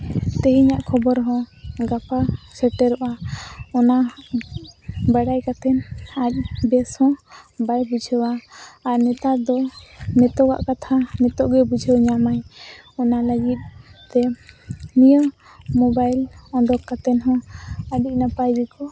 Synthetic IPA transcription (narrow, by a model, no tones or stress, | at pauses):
t̪ɛɦiɲaʔkʰɔbɔɾɦɔ̃ɡapasɛʈɛɾɔʔaɔna | baɽajkat̪ɛnac̚bɛshɔ̃bajbud͡ʒʱəwaːɾnɛt̪ad̪ɔmɛt̪ɔɡa̰ʔkat̪ʰamɛt̪ɔʔɡɛbud͡ʒʱəwɲamajɔnaləɡit̪̚t̪ɛ | nijə | mɔbajlɔ̃d̪ɔkːat̪ɛnɦɔ̃əɖic̚napajd͡ʒikɔ